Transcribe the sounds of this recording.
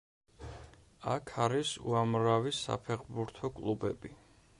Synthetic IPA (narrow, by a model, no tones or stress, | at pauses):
akʰaɾisṵamɾavisa̰pʰɛχbuɾt̪ʰɔkʼlˠubɛ̰bi